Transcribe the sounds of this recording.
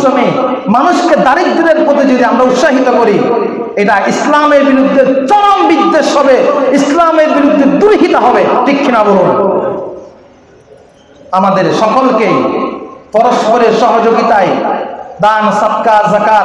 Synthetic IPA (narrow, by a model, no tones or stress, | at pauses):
onemanuʃked̪aɾik̚d̪id̪eɾpot̪id͡ʑod̪iamɾaut̪ʃaɦit̪okoɾi | eʈaʔislameɾbiɾud̪ʱːeɾt͡ɕɔɽombid̪ːeʃɦɔbeislameɾbiɾud̪ʱːed̪uɾɦit̪oɦɔbeʈɾikʰːinaboɾon | amad̪eɾʃɔkolkej | pɔɾospʰoɾeɾʃɔɦod͡ʑoɡit̪ajd̪ansat̪kaɾzakaɾ